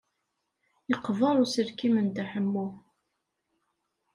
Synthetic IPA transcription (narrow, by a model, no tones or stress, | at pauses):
iqːvɑɾˤusəɾkimənd̪aħəmːu